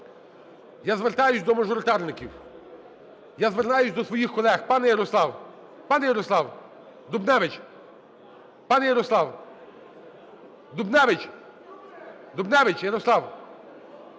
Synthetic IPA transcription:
jazʋert̪ɑjʊsʲd̪ɔmɐʒɔɾɪt̪ɑrnɪkʲiw | jazʋeɾnɑjʊsʲd̪ɔsʋɔjixkɔlˠɛxpɑnɛjɐɾɔslˠɑw | pɑnɛjɐɾɔslˠɑw | d̪ʊbnɛʋɪt͡ʃ | pɑnɛjɐɾɔslˠɑw | d̪ʊbnɛʋɪt͡ʃʲ | d̪ubnɛʋɪt͡ʃjɐɾɔslˠɑw

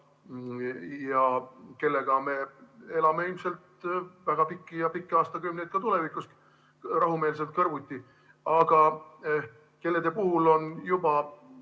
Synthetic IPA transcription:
jɑke̞lːeɡ̥ɑme̞e̞lɑmeilmse̞lt̪væɡ̥ɑpikːijɑpikːeɑːst̪ɑkymnejd̪̚kɑt̪ule̞vikːˑust̪ | rɑɦume̞ːls̬e̞lt̪̚kɤrvut̪ʲːi | ɑɡ̥ɑ | ke̞lːe̞d̪epuhulo̞njub̥ɑ

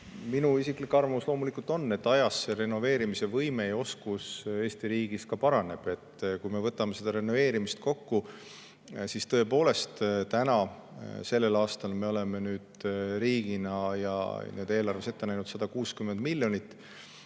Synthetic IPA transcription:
minuisiklikːɑrvɑvuslo̞ːmulikult̪ˑo̞nːe̞t̪ːɑjɑsːeɾe̞nːo̞ve̞ːɾimise̞vɤjme̞ejo̞skuse̞ːst̪iɾiːɡ̥iskɑpɑɾɑne̞b̥e̞t̪ːkujme̞vɤt̪ːˑɑmesed̪̥ɑɾe̞nːo̞ve̞ːɾimist̪̚ko̞kːu | sist̪ɤ̞e̞po̞ːle̞st̪t̪ænɑ | se̞lːe̞lɑːst̪ɑlme̞o̞le̞menyːd̪̥ɾiːɡ̥inɑjɑ̰ned̪e̞ːlɑrve̞se̞t̪ːenæjnud̪sɑd̪̥ɑkuːskymːend̪̥milʲːjo̞nit̪ːˑ

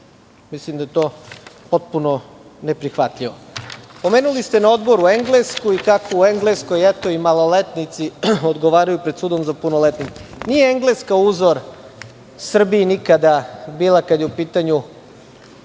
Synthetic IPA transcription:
mislimd̪ajet̪o̞ːpo̞t̪̚puno | ne̞pɾixʋat̪ʎʲiʋopo̞meːnulist̪enao̞d̪bo̞ɾue̞ŋɡleskuikakoueŋɡlesko̞jɛt̪o̞imalˠo̞let̪nit̪siod̪ɡoʋaːɾajupɾed̪suːd̪o̞mzapunolet̪nit̪e̥nijeeŋɡleskauːzʋoɾ | sr̩biːnikad̪abiːlˠakad̪jeupiːt̪aɲu

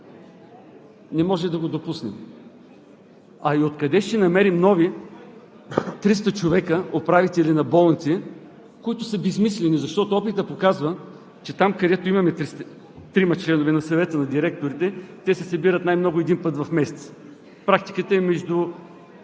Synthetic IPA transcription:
nɛmɔʒɛmd̪ɐɡod̪opusnɛ̰m | ɐiot̪kɐd̪ɛʃt̪ɛnɐmɛɾimnɔvi | t̪ɾis̬t̪ət͡ʃovɛkəopɾavit̪ɛlinɐbɔlˠnit̪si | koit̪ʊsɐbɛzmislɛnizɐʃt̪ɔt̪oɔpit̪əpokazvə | t͡ʃɛt̪amkɐd̪ɛt̪oimɐmɛt̪ɾis | t̪ɾimɐt͡ʃlɛnovɛnɐsɐvɛt̪ənɐd̪iɾɛk̚t̪oɾit̪ɛt̪ɛsɛsɐbiɾət̪najmnɔɡʊɛd̪inpɤt̪vɐfmɛsɛ̥t̪s | pɾak̚t̪i̥kət̪əmɛʒd̪u

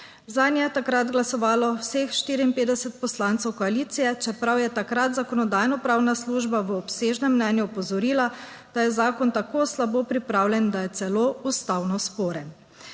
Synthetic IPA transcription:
zaːnjɛt̪akɾad̪ɡlasɔʋaːlɔwsexʃt̪iɾiiːnpeːd̪ɛsɛt̪̚pɔslaːnt̪sɛwkɔaliːt̪sijɛt͡ʃɛpɾawjɛt̪akɾat̪zakɔnɔd̪aːjnɔpɾaːwnasluːʒbaʋəɔpseːʒnɛmːnɛːnjuɔpɔzɔɾiːla | d̪̥ajɛzaːkɔnt̪akoːslaboːpɾipɾaːwljɛnd̪ajɛt̪sɛloːust̪awnɔspoːɾɛ

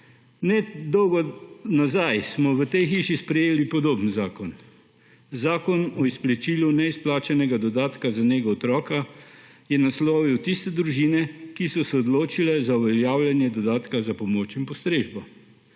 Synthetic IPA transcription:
nɛd̪ɔwɡɔnazajsmɔʋət̪ɛjxiːʃispɾɛjeːlipɔd̪oːbnzaːkɔn | zaːkɔnɔisplɛt͡ʃiːlunɛisplaːt͡ʃɛnɛɡad̪ɔd̪aːt̪kazaneɡɔɔt̪ɾɔːka | jɛnasloːʋiwt̪ist̪ɛd̪ɾuʒinɛkisɔsɛɔd̪loːt͡ʃilɛzauʋɛljaːwljanjɛd̪ɔd̪aːt̪kazapɔmoːt͡ʃinpɔst̪ɾeːʒbɔ

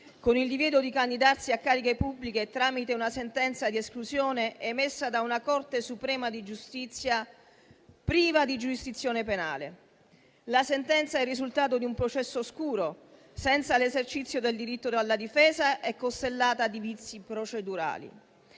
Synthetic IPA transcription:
konild̪ivjɛːd̪od̪ikand̪id̪arsiakːaːɾikepubːliket̪ɾaːmit̪eunasent̪ɛnt̪sad̪ieskluzjoːneʔɛmesːad̪aunakɔrt̪esupɾɛːmad̪id͡ʒust̪it̪sːja | pɾiːvad̪id͡ʒuɾisd̪it̪sːjoːnepena̰ːlḛ | lasent̪ɛnt̪saɛrːizult̪aːt̪od̪iumpɾot͡ʃɛsːoskuːɾo | sɛnt̪salezert͡ʃit̪sːjod̪eld̪iɾit̪ːod̪alːad̪ifɛːzaʔɛkːost̪elːaːt̪ad̪ivit̪sːipɾot͡ʃed̪uɾa̰ːlḭ

